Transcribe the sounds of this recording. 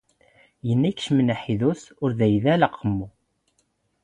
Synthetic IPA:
jənːækʃmənæħiðusʊɾðæjðælɑqʰːəmːu

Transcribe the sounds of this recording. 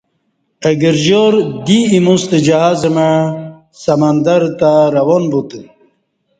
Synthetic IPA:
əɡəɾʑoɾd̪iːmust̪əd͡ʑaɦazəma | sɐmand̪aɾt̪aɾɐwonbut̪ɨ

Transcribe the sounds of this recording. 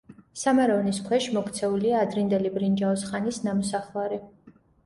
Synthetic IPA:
samaɾɔvniskʰwɛʃmɔkʰt̪sʰɛuliaːd̪ɾind̪ɛlibɾind͡ʒaɔsχanisnamɔsaχvaɾi

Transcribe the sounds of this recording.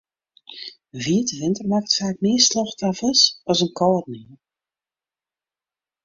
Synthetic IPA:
viətəʋɪntərmakətfaːkmɪːslɔxtavəsɔsənkɔlˠrniə

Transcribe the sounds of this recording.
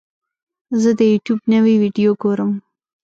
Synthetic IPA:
zəd̪əjuʈjuːbnəwiwiɖijoɡoɾəm

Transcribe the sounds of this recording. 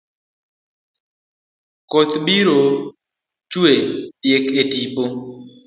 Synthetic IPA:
kot̪biɾo | t͡ʃwepjeketipo

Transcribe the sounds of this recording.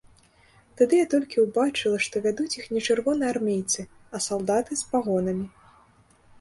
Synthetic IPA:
t̪ad̪ɨjat̪ɔlʲkʲiwbat͡ʂɨlˠɐʂt̪ɔvʲad̪ut͡sʲixnʲɛt͡ʂɨrvɔnɨjarmʲejt̪sɨ | ɐsalˠd̪at̪ɨspaɣɔnɐmʲi

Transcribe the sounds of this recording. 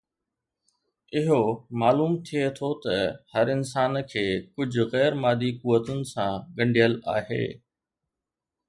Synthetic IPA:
ɪɦomaːluːmt̪ʰiet̪ʰot̪ɐhɐɾɪns̬aːnkʰeːkʊd͡ʑʱʊ̆ɣɛːɾmaːd̪ikʊʋːət̪ʊnɪ̆sãɠɐ̃ɳɖʱijəla̰ːɦḛː

